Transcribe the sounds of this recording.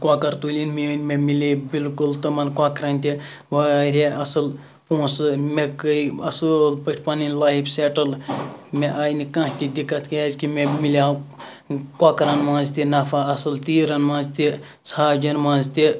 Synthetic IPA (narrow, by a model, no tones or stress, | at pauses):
kwaːkɐɾt̪uːlʲinminmemilebilkult̪omɐnkwaːkɾɐnʲt̪i | ʋaɾʲeʔɐsɨl | põːsɨmekəjɐ̰səlpəʈʰʲpaːninlaːjbseːʈɐlmeʔaːjnikãɦt̪id̪ikːɐt̪kaːzkimẽmilʲaː | kaːkɾɐnmãːnzt̪inɐfʰaɐsɨlt̪iːɾɐnmãːnzt̪i | sʰaːd͡ʒɐnmãːnzt̪i